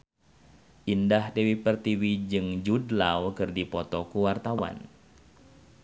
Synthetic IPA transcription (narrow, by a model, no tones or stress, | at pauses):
ʔindahdewipərt̪iwid͡ʒɨŋd͡ʒudlawkɨrdipɔt̪ɔkuwart̪awa̰n